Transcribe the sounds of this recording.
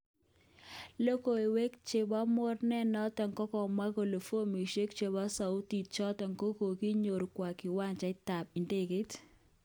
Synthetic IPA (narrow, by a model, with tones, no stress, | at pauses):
lo˦ko˨e˨we˦kt͡ʃe˨bɔ˦mʊ˦rnɛ˦nɔ˦tɛ˨ŋkɔ˦kɔ˨ma˦ko˨lo˨fwo˦mi˨ʃe˦kt͡ʃe˨ba˦sa˨ʊ˦ti˨t̚t͡ʃɔ˦tɛ˨ŋko˦ko˨ki˦ɲo˨ɾkwa˨kɪ˨wa˦nt͡ʃa˨˦ɪ˦ta˨p̚i˨nde˦ke˦t